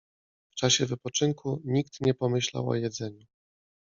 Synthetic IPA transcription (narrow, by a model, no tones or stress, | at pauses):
ft͡ʂaɕɛvɘpɔt͡ʂɘŋkuɲikt̪ɲɛpɔmɘɕla̰wɔ̰jɛd̪zɛɲu